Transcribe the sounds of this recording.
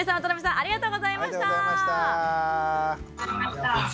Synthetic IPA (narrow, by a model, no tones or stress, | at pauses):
isãt̪onobʲisãʔaɾʲiɡat̪o̞ːɡozaimaɕit̪aamaɕt̪a | t̪